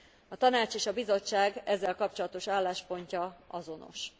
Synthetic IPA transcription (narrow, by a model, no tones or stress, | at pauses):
ɒt̪ɒnaːt͡ʃeːʃɒbizo̞t͡ʃːaːɡɛzːɛlkɒp̚t͡ʃo̞lɒt̪o̞ʃaːlːaːʃpo̞ɲcɒɒzo̞no̞̰ʃ